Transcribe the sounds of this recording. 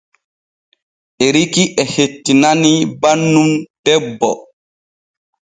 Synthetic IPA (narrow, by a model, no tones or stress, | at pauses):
ʔeɾikiʔɛhetːinanibanːumd̥ɛbːɔ